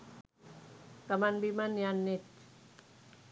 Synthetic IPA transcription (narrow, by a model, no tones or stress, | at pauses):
kamanbimanjanːit̪̚